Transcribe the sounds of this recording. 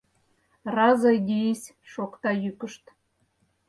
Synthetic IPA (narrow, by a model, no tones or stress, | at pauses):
rɑzɑjd̪ʲijesʲ | ʃokt̪ɑjykə̆ʃt̪